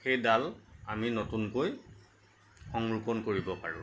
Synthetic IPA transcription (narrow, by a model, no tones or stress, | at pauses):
xejdalaminotunkoj | xɔŋɹukɔnkoɹibɔpaɹʊ̰̃